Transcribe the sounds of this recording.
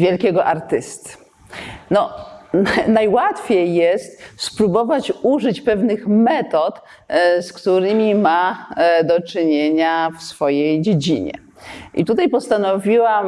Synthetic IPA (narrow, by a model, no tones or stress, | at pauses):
vʲjɛlkʲɛɡɔʔaɾt̪ɘst̪ | nɔ | najwat̪fʲejːɛst̪spɾubɔvat͡ɕuʐɘt͡ɕpɛvnɘxmɛt̪ɔt̪ | skt̪uɾɘmʲimad̪ɔt͡ʂɘɲeɲafsfɔjejd͡ʑed͡ʑḭɲɛ̰ | ʔḭt̪ut̪ajpɔst̪anɔvʲiwam